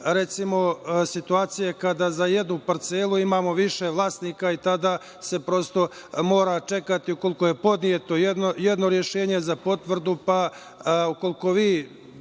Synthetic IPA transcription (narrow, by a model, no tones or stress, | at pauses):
ɾe̞t̪simo̞sit̪uaːt̪sijekad̪aːzajed̪nupaɾt̪selˠuimaːmo̞ʋiʃeʋlˠaːst̪nikait̪ad̪a | se̞pɾo̞st̪o̞mo̞ːɾat͡ʃe̞kat̪iuko̞lˠikoje̞po̞d̪nijet̪o̞jed̪nojed̪no̞ɾje̞ʃeːɲe̞zapo̞t̪ʋr̩d̪upa | uko̞liko̞ʋiː